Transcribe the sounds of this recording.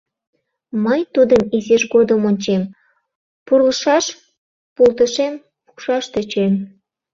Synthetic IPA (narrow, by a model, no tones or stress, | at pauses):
məjt̪ud̪əmizeʃɡod̪əmonʲt͡ɕem | purləʃɑʃ | pulˠt̪əʃem | pu̥kʃɑʃt̪ə̆t͡ɕem